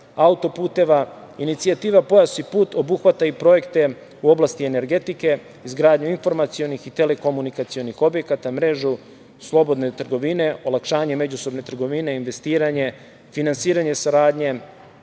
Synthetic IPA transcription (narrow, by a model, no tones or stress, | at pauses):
aut̪opuːt̪e̞ʋa | init̪siat̪iːʋapo̞jasipuːt̪o̞buxʋat̪aipɾo̞je̞kt̪e̞ | uo̞blast̪iene̞ɾɡe̞t̪ike̞ | izɡɾaːd̪ɲuinfo̞ɾmat̪sio̞nixit̪e̞le̞ko̞munikat̪sio̞nixo̞bje̞kat̪amɾe̞ʒu | slˠo̞bo̞d̪ne̞t̪r̩ɡo̞ʋine̞o̞lˠakʃaːɲe̞me̞d͡ʑuso̞bne̞t̪r̩ɡo̞ʋine̞inʋe̞st̪iːɾaɲe̞ | finansiːɾaɲe̞saɾaːd̪ɲe̞